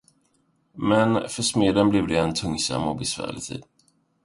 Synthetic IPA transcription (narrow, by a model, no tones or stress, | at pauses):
mɛnfœʂmeːd̪ənblɪvd̪ɛːnt̪ʰɵŋsa̰mɔbɛsvæ̰ːɭɪt̪ʰḭd̪